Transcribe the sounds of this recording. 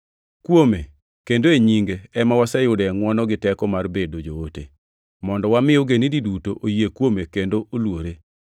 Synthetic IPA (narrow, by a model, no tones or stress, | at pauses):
kwome | kendoeɲiŋɡeɛmawasɛjʊdɛŋwɔnɔɡɪtɛkɔmarbedod͡ʒootḛ | mɔndɔwamɪjoɡenididutoʔojekwomekendoʔolwoɾe